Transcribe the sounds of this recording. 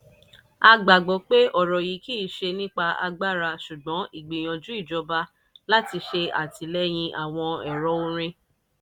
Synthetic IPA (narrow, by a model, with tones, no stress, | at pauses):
a˧ɡ͡ba˨ɡ͡bɔ˨˦k͡pe˦ʔɔ˦˨ɾɔ˨ji˨˦ki˦˨ʃe˧nĩ˦k͡pa˧ʔa̰˧ɡ͡ba˦˨ɾa˧ʃu˨ɡ͡bɔ̃˨˦i˦˨ɡ͡bi˨j̃ɔ̃˨d͡ʒu˦i˦˨d͡ʒɔ˧ba˦ | la˦ti˧ʃe˧a̰˨ti˧lɛ˦j̃ĩ˧ʔa˦˨w̃ɔ̃˧ɛ˨ɾɔ˨˦õ˦ɾ̃ĩ˧